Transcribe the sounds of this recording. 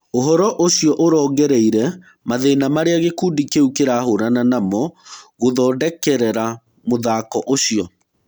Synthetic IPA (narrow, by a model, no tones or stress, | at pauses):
oɦɔɾɔʔoɕiɔʔoɾɔːɣɡɛɾɛiɾɛ | maðenamaɾeaɣekudikeukeɾaɦoɾananamɔɣoðɔːdɛkɛɾɛɾa | moðakɔʔoɕiɔ